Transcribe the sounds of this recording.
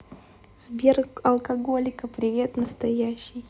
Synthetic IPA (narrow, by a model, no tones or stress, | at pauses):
z̥bʲerɐlˠkɐɡo̞lʲɪkəpɾʲɪvʲe̞t̪nəst̪ɐjæɕːɪj